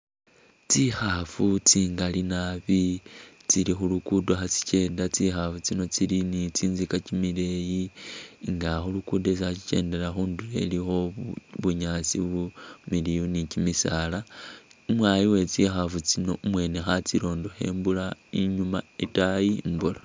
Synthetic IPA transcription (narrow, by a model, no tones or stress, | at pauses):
t͡sixafut͡siːŋɡalinaβit͡silixulukudoxat͡si̥t͡ʃe̞ːndat͡sixafut͡sino̞t͡silinit͡siːnzikat͡ʃimile̞jiŋɡaxulukudesixat͡ʃit͡ʃe̞̰ːnde̞ɾaxuːndule̞lixo̞βuɲat͡siumilijunicimisalaumwaːjiwe̞t͡sixafut͡sino̞umwe̞ːnexat͡siɾo̞ːndo̞xe̞̰ːmbulaiɲumaetajimbula